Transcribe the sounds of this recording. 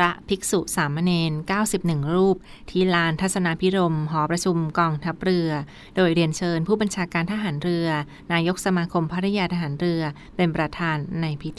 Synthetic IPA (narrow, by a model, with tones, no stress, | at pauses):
ɾa˦˥ʔpʰi˦˥k̚su˨˩ʔsaː˩˦mːa˧neː˧nkaː˥˩wsi˨˩p̚nɯ˨˩ŋɾuː˥˩p̚ | t̪ʰiː˦˥˩laː˦˧˥nt̪ʰa˦˥t̪̚sa˧na˦˧˥pʰi˦˥ɾo˧mɦɔː˩˦pɾa˧t͡ɕʰu˧mkɔː˧ŋt̪ʰa˦˥p̚ɾɯ˧ɐ | doː˧jɾi˧ənt͡ɕʰɤː˧npʰuː˥˩ba˧nt͡ɕʰaː˧kaː˧nt̪ʰa˧ɦaː˩˦nɾɯ˧ɐ | naː˧jo˦˥k̚sa˧maː˧kʰo˧mpʰa˦˥ɾa˦˧˥jaː˧t̪ʰa˧ɦaː˩˦nɾɯ˧ɐ | pe˧npɾa˧t̪ʰaː˧nːa˧jpʰi˦˥t̪ʰ